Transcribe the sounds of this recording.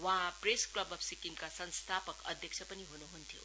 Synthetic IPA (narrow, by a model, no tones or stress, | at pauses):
wʌ̃ɦãpresklʌbʌpsikiŋkasʌnst̪ʰapʌkʌ̰d̪ʱjʌk̚t͡sʰʌpʌniɦunuɦunt̪ʰjo̰